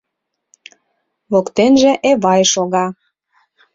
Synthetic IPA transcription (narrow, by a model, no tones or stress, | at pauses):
βokt̪enʒĕʔeβɑjʃoɣɑ